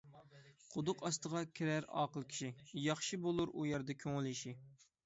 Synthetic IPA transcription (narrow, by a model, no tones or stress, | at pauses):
qʰʊd̪ʊqɑst̪əʁɑkʲʰiɾæɾɑ̰ːqəlˠkʲʰi̥ʃijɑχʃɨbolˠuɾujɛɾd̪ɛkʲʰoŋɪlˠɪʃi